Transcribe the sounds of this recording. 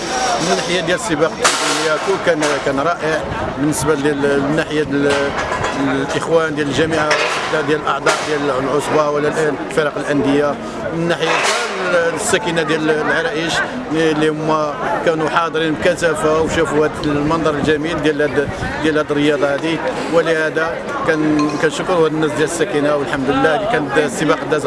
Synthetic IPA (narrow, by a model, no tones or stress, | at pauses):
mənːaħəjad̪jæləsˤːəbɑqət̪ːæt̪æməjækulkænkænɾˤɑʔəʕ | bənːəsballmnːaħja | lʔəxwænd̪jæləlʒæmiʕawəd̪æd̪jæləlʔɑʕd̪ˤɑʔd̪jællʕosbɑwəlːælʔænlfəɾˤɑqəlʔænd̪əjːa | mənːaħəjaæsːækinad̪jællʕɑɾˤɑʔiʃ | ilːihʊmːækænuħɑd̪ˤɾinmkæt̪æfawʃufuhæd̪mɑnd̪ˤɑɾˤəlʒæmild̪jælæd̪d̪jælhæd̪ərːəjɑd̪ˤɑhæd̪i | wələhæd̪æ | kænkænʃəkːɾuhæd̪ənːæsd̪jæləsːækinawəlħamd̪əlːækænət̪sˤːəbɑqd̪ːæz